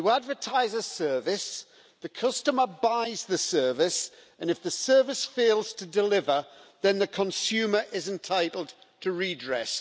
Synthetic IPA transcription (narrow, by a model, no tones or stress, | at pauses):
əadvətʰaɪzəsɜːvɪs | ðəkʰʌstəməbaɪzðəsɜ˞vɪs | ə̃nɨfðəsɜ˞vɪsfeɪlˠz̥tʰədɪlɪvəðə̃nðəkʰə̃nsʉːmə˞ʔɪzɪ̃ntʰaɪtl̩ˠd | tʰəɹidɹɛ̰s